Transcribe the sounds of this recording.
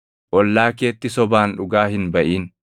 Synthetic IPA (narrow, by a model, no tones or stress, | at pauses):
ʔɔlːaːke̞ːt̪ːɪsɔbaːnᶑʊɡaːhɪnbɐʔiːn